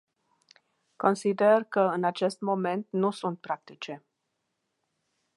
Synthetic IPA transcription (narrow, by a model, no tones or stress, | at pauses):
ko̞nsid̪erkəɨnat͡ʃe̞st̪mo̞me̞nt̪nusunt̪̚pɾak̚t̪it͡ʃe̞